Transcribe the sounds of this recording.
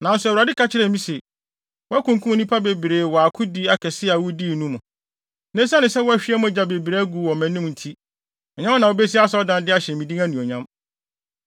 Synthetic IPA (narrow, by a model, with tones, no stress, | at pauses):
nã˨n̩˦sʊ˦ɛ˨wɾa˨dɪ˦kʰa˦t͡ɕʰɪ˦ɾɛ˨mĩ˦se˨ | wɔ˦a˦kũ˨ŋku˦o˨˦nĩ˦pʰa˦be˨bɾeː˨wɔ˨a˨kʰʊ˦di˦a˨kʰɛ˨sɪ˦a˨wʊ˦di˦˨nũ˦mʊ̃˨ | nɛ̃˦sa˦nɪ̃˨sɛ˦wɔ˦æ˨ɕᶣɪ˦ɛ˦mʊ̃˦d͡ʑa˨be˨bɾe˨˦ɡu˨wɔ˨mæ̃˨nĩ˦m˨n̩˨tʰi˦ | ɔ˨ɲã˦m˦nã˨o˨be˦s̬i˦a˦sɔ˦dã˦ndɪ˦a˦ɕɛ˨mĩ˨di˦æ̃˦nũ˨ɔ˨ɲã˦m